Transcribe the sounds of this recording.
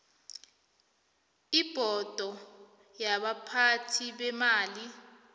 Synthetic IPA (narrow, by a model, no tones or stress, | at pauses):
ib̥ʱɔd̥ʱɔ | jaɓapʰatʰiɓɛmaːli